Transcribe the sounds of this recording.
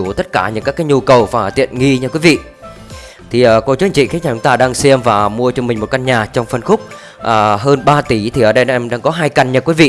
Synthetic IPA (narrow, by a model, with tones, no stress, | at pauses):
u˧˩t̪ə˦˥t̚kaː˧˩ɲɨ̰˧˥kaː˦˥kaː˨˦jɲu˧kə˨˩wvaː˨˩˨t̪ḭ˧˨ənŋi˧ɲɨ˧kwi˨˦vḭ˧˨ | t̪ʰi˨˩ʔəː˨˩ko˧t͡ɕu˨˦˥ŋt͡ɕḭ˧˨xa˨˦˥nɲaː˨˩t͡ɕʊ˨˦ŋ͡mt̪aː˧ɗaː˧ŋsɛ˧mvaː˨˩mu˧ət͡ɕɔ˧mï˨˩ŋ̟mo˨˩t̚ka˧nɲaː˨˩t͡ɕɔ˧wŋ͡mfə˧˩nxʊ˦˥k͡p̚ | ʔəː˨˩ɦəː˧nɓaː˧t̪i˧˩˦t̪ʰi˨˩ʔəː˨˩ɗə˧jn˧ʔɛ˧mɗa̰ː˧ŋkɔ˨˦ɦaː˧jka˧˩jŋɲə˧kwi˨˦vḭ˧˨